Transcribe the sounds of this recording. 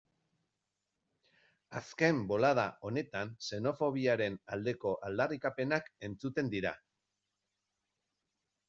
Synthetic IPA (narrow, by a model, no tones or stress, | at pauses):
aske̞mbo̞lað̞aʔo̞ne̞t̪anse̞no̞fo̞β̞iaɾe̞nald̪e̞ko̞ʔald̪arikape̞nake̞nt͡sut̪e̞nd̪iɾa̰